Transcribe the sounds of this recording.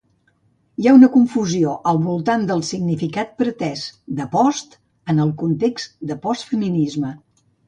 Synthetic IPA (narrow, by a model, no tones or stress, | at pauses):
jaunəkuɱfuzioʔəlˠβulˠt̪and̪əlˠsiɡnifikat̪̚pɾət̪ɛzd̪əpɔst̪ | ənəlˠkunt̪eksd̪əpɔst̪fəminizmə